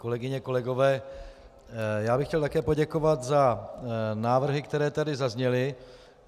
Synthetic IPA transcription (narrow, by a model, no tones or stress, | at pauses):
ko̞lɛɡɪɲɛko̞lɛɡo̞vɛː | jaːbɪxcɛlt̪akɛːpo̞ɟɛkovat̪za | naːvr̩ɦɪkt̪ɛɾɛːt̪adɪzazɲɛlɪ